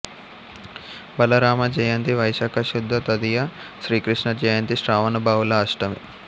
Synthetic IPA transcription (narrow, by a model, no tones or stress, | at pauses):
bɐlɐɾaːmɐd͡ʒɐjɐnt̪iʋɐjʃaːkʰɐʃud̪ʱːɐt̪ɐd̪ijɐ | ʃɾiːkɾiʂɳɐd͡ʒɐjɐnt̪iʃɾaːʋɐnɐbaːʋulɐaːʂʈɐmḭ